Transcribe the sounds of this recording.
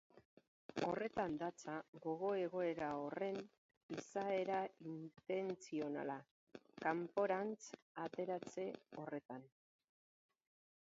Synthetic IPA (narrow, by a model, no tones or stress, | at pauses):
o̞re̞t̪and̪at͡saɣo̞ɣ̞o̞e̞ɣo̞e̞ɾaore̞n | isae̞ɾaint̪e̞nt͡sio̞na̰la | kampo̞ɾant͡s | at̪e̞ɾat͡se̞o̞re̞t̪an